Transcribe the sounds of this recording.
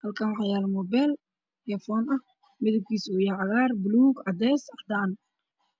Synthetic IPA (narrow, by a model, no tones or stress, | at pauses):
hɐlkʰaːnwɑħɑjaːlɐmɔbɛl | ɛfɔːnɐh | mɛðɪb̚kʰiːsuːjaʕɑɣaːrbluːɡʕɑd̪ɛːsɑħd̪an